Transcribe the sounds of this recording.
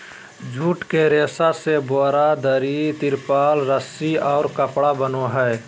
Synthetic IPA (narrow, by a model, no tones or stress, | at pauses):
d͡ʒʱuːʈkeɾeːsaseboːɾad̪əɾit̪ɪɾpaːlɾəsiɔːɾkəpɽabənoɦɛe